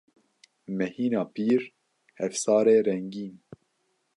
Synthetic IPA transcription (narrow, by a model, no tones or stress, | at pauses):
mɛhiːnɑːpiːɾ | hɛfsɑːɾeːɾɛŋɡiːn